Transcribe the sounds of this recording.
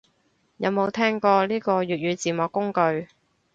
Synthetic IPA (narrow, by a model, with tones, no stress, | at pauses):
jɐ˨˧wmo˨˧wt̪ʰɛː˥ŋkɔː˧liː˥kɔː˧jyː˨t̚jyː˨˧t͡siː˨˩mɔː˨kːʊ˥ŋkɵ˧ɥ